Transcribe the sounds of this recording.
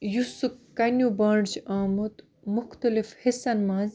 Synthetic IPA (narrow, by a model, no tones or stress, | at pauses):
jusukːɐnʲubɐːɳɖt͡ʃaːmut̪ | mʊxt̪ɐlifhisɐnmaːz